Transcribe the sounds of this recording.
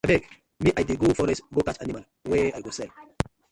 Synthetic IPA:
abɛɡ | miʔajdiɡofɔɾɛsɡokat͡ʃanimal | wɛajɡosɛl

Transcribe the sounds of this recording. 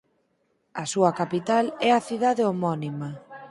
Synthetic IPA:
ɐsuɐkapit̪alɛaθiðaðeomɔnima

